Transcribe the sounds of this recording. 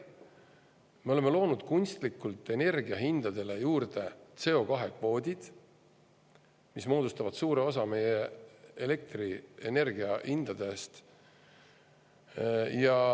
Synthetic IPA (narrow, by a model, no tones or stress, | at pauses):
me̞o̞leme̞lo̞ːnud̪̥kunʲst̪likːˑult̪ˑːe̞ne̞rɡiɑɦind̪̥ɑd̪̥e̞le̞juːrd̪̥e̞t̪se̞o̞kɑɦe̞kvo̞ːd̪̥ʲid̪̥ | mismo̞ːd̪ust̪ɑvɑd̪suːɾe̞o̞s̬ɑme̞jeele̞k̚t̪riene̞rɡ̥iɑhind̪̥ɑd̪̥e̞st̪ | jɑ